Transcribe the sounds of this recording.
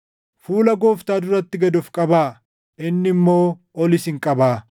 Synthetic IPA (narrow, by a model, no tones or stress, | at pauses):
fuːlɐɡo̞ːft̪aːd̪ʊɾɐt̪ːɪɡɐd̪ʊfkʼɐbaː | ʔɪnːɪmːo̞ː | ɔlɪsɪŋkʼɐbaː